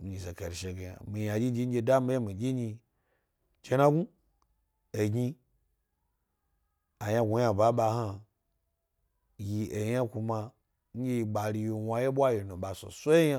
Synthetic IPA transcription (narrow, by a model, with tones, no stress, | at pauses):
m̩˨ɲi˨ze˨ke˨ɾi˨ʃe˨ɡe˨ja̰˨mi˨ja˨d͡ʒi˦d͡ʒi˦ŋ̩˦ɡʲe˧da˦mi˦je˦mi˨ɡʲi˦ɲi˧ | t͡ʃe˦na˦ɡu˦ | e˨ɡʲɲi˧ | a˨ja˦˧ɡʷu˨ja˦˨ba˨˦ɓa˧ɦa˦ | ji˧ʔe˨ja˦ku˧ma˧ | ŋ̩˦ɡʲe˦i˧ɓa˨ɾi˧ji˨wa˧je˦ɓʷa˦ji˨nõ˨ɓa˨so̰˨so˦jja˦